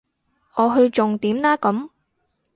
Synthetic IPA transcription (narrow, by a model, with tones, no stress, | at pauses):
ʔɔː˨˧ɦɵ˧ɥt͡ʃʊ˨ŋt̪iː˨˥mlaː˥kɐ˨˥m